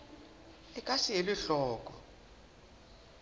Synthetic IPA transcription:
ɛkʼasijeliɬɔːk̬ʼɔ

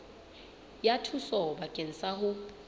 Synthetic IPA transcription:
jatʰusɔbakʼen̩saɦʊ

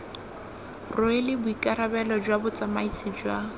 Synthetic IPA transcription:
rʊɪlɪbʊikʼaɾabɛlɔd͡ʒwabʊt͡sʼamaisɪd͡ʒwa

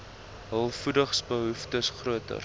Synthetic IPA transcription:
ɦəlˠfudəχsbəɦuftəsχruətə̰r

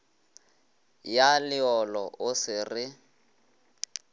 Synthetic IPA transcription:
jalɪɔlɔʔʊsɪrɪ

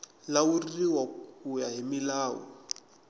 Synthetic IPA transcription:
lauriwakujaɦimilaːɔ̰

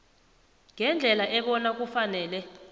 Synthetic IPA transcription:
ŋʱɛnd͡ɮʱɛlaʔɛɓɔnak̬ufanɛːlɛ

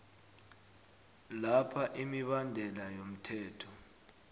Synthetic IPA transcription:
lapʰaʔimiɓandʱɛlajom̩tʰɛːtʰɔ

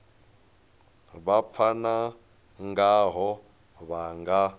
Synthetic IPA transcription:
βap̪fʰana | ŋɡaɦɔ | βaŋɡa

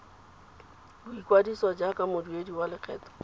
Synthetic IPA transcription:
lwikwadisɔd͡ʒakamodwediwalɪkɛt̪

